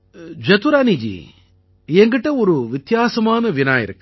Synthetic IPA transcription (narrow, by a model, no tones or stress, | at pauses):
d͡ʒɐt̪uɾaːnid͡ʒḭ | eŋɡɐʈːɐoɾuʋit̪jaːsɐmaːnɐʋinaːjḭɾɐkː